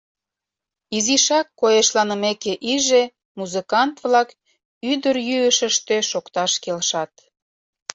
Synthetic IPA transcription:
iziʃɑkːojeʃlɑnəmekeʔiʒe | muzəkɑnt̪βlɑk | yd̪ərjyəʃə̆ʃt̪øʃokt̪ɑʃkelʃɑt̪

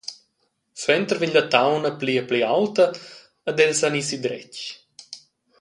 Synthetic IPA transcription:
sɛnt̪əɾviɲdət̪awnəpliəpliawt̪əː | d̪ɛlsanisid̪ɾɛt͡ʃ

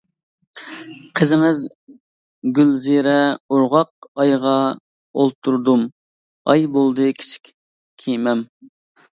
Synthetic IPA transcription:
qʰəzɪmɪz | ɡʲylziɾɛoɾʁɑq̚ɑjʁɑ | olˠt̪ʰːuɾd̪um | ɑ̰jbolˠd̪ɨkʲʰi̥t͡ʃʰi̥kʲ | kʲʰijmɛm

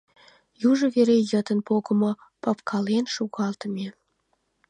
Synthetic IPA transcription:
juʒə̆βeɾejət̪ənpoɣə̆mo | pɑp̚kʰɑlenʃuɣɑlt̪əmʲe

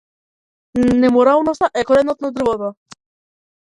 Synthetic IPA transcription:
nɛmɔɾalˠnɔst̪aʔɛkɔɾɛnɔt̪̚nad̪r̩vɔt̪a

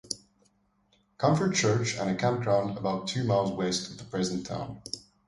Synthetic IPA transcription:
kʰʌ̃ɱfə˞t͡ʃʰɜ˞t͡ʃə̰̃nɨkʰãʊ̃nkʰɹ̥ãʊ̃ndəbaʊtʰːʉːmaɪlˠzwestəðəpʰɹ̥ɛzə̃n̩tʰã̰ʊ̃n

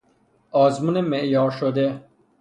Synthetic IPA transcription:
ɔːzmunemeʔjɑːɾʃod̪e

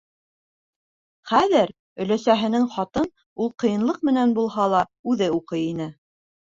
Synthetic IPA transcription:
χæðɘɾ | ɵ̆læsæɦɘ̆nɘŋχɑt̪ɤn | ulˠqɤ̆jɤ̆nlˠɤq̚mɘ̆nænbulˠhɑlˠɑʉðɘuqɤjinɘ

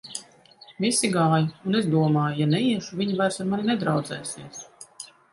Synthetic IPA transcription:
visiɡaːjuunezd̪uɔmaːjujanɛiɛʃuvʲiɲivajɾsaɾmanʲinɛd̪ɾawd̪zɛːsiɛs

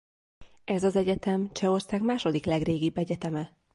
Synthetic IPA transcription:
ɛzɒzɛɟɛt̪ɛmt͡ʃɛo̞rsaːɡmaːʃo̞d̪iklɛɡreːɡibːɛɟɛt̪ɛmɛ

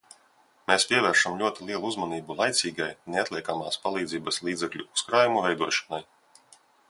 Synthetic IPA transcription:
meːspʲiɛvɛːɾʃamlʲuɔt̪ilˠiɛlˠuzmaniːbulˠajt̪sʲiːɡajneat̪lʲˠiɛkamaːspalˠiːd̪ziːbaslˠiːd̪zɛklʲuuskɾaːjumuvɛjd̪uɔʃɔ̥naj

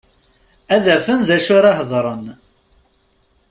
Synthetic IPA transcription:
æðæfənðæʃʊɾɑhðˤɾˤən

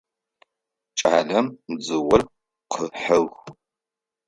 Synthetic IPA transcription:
t͡ʃʼa̰ːɮɐmːd͡zɨwʊr | qʰəħɐwx

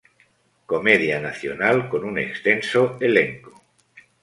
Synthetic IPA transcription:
ko̞meðjanaθjo̰nalko̞nunḛkst̪ensoeleŋko

